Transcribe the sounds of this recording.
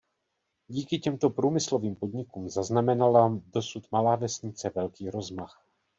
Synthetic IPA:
ɟiːkɪcɛmt̪o̞pɾuːmɪslo̞viːmpo̞d̪ɲɪkumzaznamɛnalado̞sut̪malaːvɛsɲɪt͡sɛvɛlkiːɾo̞zmax

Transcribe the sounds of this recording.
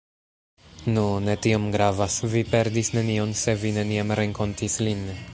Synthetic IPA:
nune̞tio̞mɡɾavasvipe̞ɾdisne̞nio̞nse̞vine̞niamɾe̞ŋko̞ntislin

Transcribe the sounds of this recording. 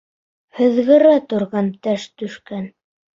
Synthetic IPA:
hɵ̆ðɣɘ̆ɾæt̪ŏɾʁɑnt̪æʃt̪ɵ̆ʃkæn

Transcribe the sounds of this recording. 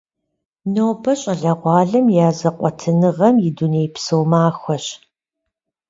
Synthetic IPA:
noːbɐɕʼɐɮɐʁʷɑːɮɐmjaːzɐqʷʼɔtʰɨnɨʁɐmjɪduneːjpsɨwmaːxʷɐɕ

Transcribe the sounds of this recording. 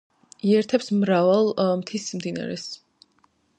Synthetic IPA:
iɛɾt̪ʰɛpsmɾavalˠmt̪ʰismd̪ina̰ɾɛ̰s

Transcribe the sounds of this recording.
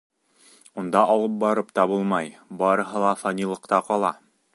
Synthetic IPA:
und̪ɑʔɒlˠɤp̚bɑɾɤpt̪ɑbulˠmɑjbɑɾɤ̆ɦɤlˠɑfɑnʲilˠɤ̆qt̪ɑqɒlˠɑ

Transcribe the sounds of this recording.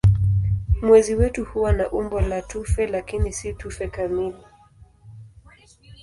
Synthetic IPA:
mwɛziwɛtuhuwanaʔumbɔlatufɛlakinisitufɛkamili

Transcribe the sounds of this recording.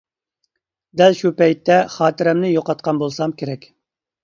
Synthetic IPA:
d̪ɛlʃupɛjt̪ːɛχɑːt̪ɪɾɛmnɪjoqɑt̪̚qʰɑnbolˠsɑmkʲʰeɾɛkʲ

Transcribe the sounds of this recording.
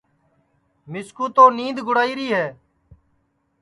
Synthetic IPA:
mɪskuːt̪oːnĩːd̪ɡʱʊɽaːiːɾiːɦɛː

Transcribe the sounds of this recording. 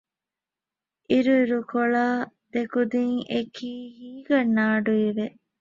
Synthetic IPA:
ʔiɾuiɾukoɭaː | d̪̥ekud̪iŋekʰiːhiːɡɐnːaːɖuiʋe

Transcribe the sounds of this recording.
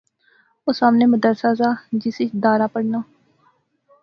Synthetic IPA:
oːsaːmneːməd̪əɾsaːzaːd͡ʒɪsɪt͡ʃd̪aːɾaːpəɽnaː

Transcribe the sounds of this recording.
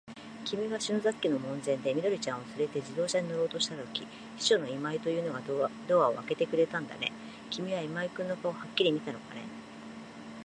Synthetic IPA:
kʲimʲiɡaɕɨ̃nzakʲːino̞mõ̞nzẽ̞nd̪e̞mʲid̪o̞ɾʲit͡ɕãɰ̃osɨɾe̞t̪e̞ʑid̪o̞ːɕaɲ̟ino̞ɾoːt̪o̞ɕi̥t̪at̪o̞kʲi | ɕi̥ɕo̞no̞imait̪o̞jɯ̟ːno̞ɡad̪o̞ːβao̞̰βake̞t̪e̞kɯ̟ɾe̞t̪ãnd̪a̰ne̞̰ | kʲimʲiβaimaikɯ̟̃nːo̞kaohakʲːiɾʲimʲit̪ano̞̰kane̞̰

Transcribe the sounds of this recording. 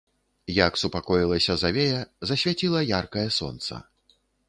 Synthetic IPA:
jaksupakɔjilˠɐsʲɐzavʲejɐzɐsʲvʲat͡sʲilˠɐjarkɐjɐsɔ̰nt̪sɐ̰

